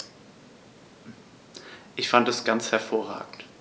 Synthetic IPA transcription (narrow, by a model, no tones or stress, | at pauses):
ʔɪçfantɛsɡ̥ant͡shɛɐfoːɐʁa̰ːɡŋ̩t